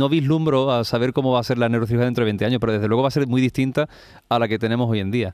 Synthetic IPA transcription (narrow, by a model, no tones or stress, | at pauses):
o̞βiɦlumbɾoasaβ̞e̞ɾko̞moβase̞ɾlanewɾoθihaðent̪ɾoe̞nt̪eaɲopeɾoe̞ðlweɣo̞βase̞ɾmwiðiht̪int̪a | alake̞t̪e̞nemoso̞je̞nd̪ia